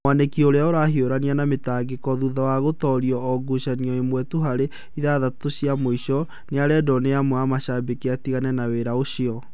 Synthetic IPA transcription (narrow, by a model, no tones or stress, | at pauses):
anekiɔoɾeaoɾaɦioɾanianametaɡekɔðuðawaɣotɔɾiɔːɡuɕaniɔemwɛtuɦaɾe | iðaðatoɕiamoiɕɔ | neaɾɛdɔneamwamaʃabekeatiɣanɛnaweɾaoɕiɔ